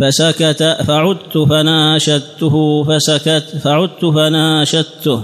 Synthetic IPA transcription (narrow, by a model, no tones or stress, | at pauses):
fasakat̪afaʕʊd̪t̪ʊfanaʃad̪t̪ːʊhʊfasakat̪faʕʊd̪̚t̪ːʊfanaʃat̪ːʊh